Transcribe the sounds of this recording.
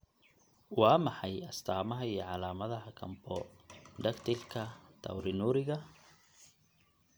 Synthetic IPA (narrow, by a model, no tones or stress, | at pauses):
wɑːmɑħɑjɐst̪ʰaːmɐɦɐijɔʕɑlaːmɐðɐɦɐkʰɐmbʰɔɖɐɡt̪ʰɪlkʰɐt̪ʰɐ̰wɾɪnuːɾɪɣɐ